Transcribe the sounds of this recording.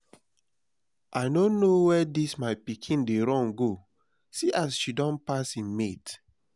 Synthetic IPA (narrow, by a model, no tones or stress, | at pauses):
ʔaɪnonowɛdismaɪpikʰĩndeɾɔ̃nɡo | siʔasʃidɔ̃npasĩnmet